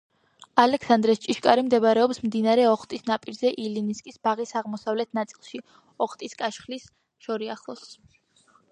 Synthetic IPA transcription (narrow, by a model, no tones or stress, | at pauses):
alɛksand̪ɾɛst͡ʃʼiʃkʼaɾimd̪ɛbaɾɛɔpsmd̪inaɾɛɔχt̪ʼisnapʼiɾzɛʔiliniskʼisbaʁisaʁmɔsavlɛt̪ʰnat̪sʼilˠʃi | ɔχt̪ʼiskʼaʃχlis | ʃɔɾiaχlˠɔs